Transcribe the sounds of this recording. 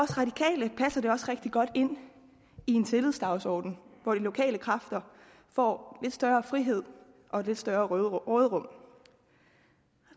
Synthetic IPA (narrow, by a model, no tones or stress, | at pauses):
ɒ̽sʁɑ̈d̥ikʰɛ̰ːləpʰæsɐd̥e̝ɒ̽sʁeɡ̥̚d̥iɡ̥ɒ̽d̥e̝n̰ | ie̝nt͡sʰe̝lið̰ˠsd̥ɑ̈ʊsɒ̰ːd̥n̩ʋɒd̥ilo̝kʰɛ̰ːləkʰʁɑ̈fd̥ɐ | fɒ̰ːle̝d̥sd̥ɶːɐːfʁiɦe̝ð̞̰ˠ | ʔɒ̽e̥le̝d̥sd̥ɶɐːʁoːð̞ˠʁɔ̽m̰